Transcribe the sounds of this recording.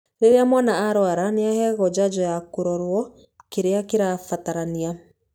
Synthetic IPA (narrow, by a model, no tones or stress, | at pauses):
ɾeɾeamwanaaɾwaɾaneahɛɣɔd͡ʑad͡ʑɔjakoɾɔɾwɔ | keɾeakeɾafataɾania